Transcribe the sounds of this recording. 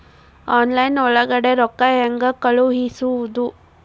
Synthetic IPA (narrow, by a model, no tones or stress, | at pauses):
aːnlɐjnɔɭɐɡɐɽeɾɔkːajɐŋɡɐkɐɭuɦisuud̪u